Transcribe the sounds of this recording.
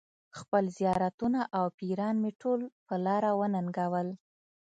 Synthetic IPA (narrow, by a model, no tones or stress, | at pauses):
xpəlzijɑɾat̪unaʔawpiɾɑnmeʈʰolpəlɑɾawənaŋɡawəl